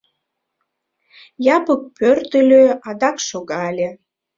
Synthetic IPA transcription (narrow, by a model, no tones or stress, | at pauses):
jɑpək̚pørt̪ə̆lʲøɑd̪ɑkʃoɣɑlʲe